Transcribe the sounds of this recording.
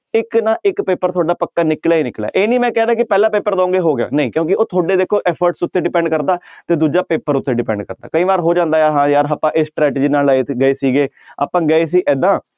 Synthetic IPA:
ɪknãːʔɪkpeːpəɾt̪ʰʊaːɖaːpəkːaːnɪklaːiːnɪklɛ̰ːʔeːnĩːmɛ̃ːkɛːd̪aːkɪpɛːlãːpeːpəɾd̪ãːŋɡeːɦoːɡɪja̰ːnəĩːkjõːkɪoːt̪ʰoaːɖeːd̪eːkʰːoːʔɛːpʰəɾʈsʊt̪ːeːɖɪpɛ̃ːɳɖkəɾd̪aːt̪eːd̪uːd͡ʒaːpeːpəɾʊt̪ːeːɖɪpɛ̃ːɳɖkəɾd̪a̰ːkəĩːʋaːɾɦoːd͡ʒãːnd̪aːjaːɾɦãːjaːɾɦaːpãːʔɪsʈɾɛːʈːd͡ʒiːnaːlaːeːt̪ʰɡəeːsiːɡeː | a̰ːpãːɡəeːs̬iːʔɛːd̪ãː

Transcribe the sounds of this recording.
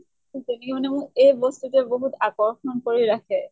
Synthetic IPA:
zenɛkɛmanɛmʊ̃ɹejbɔstutɛboɦutakɔɹxɔnkoɹiɹakʰɛ

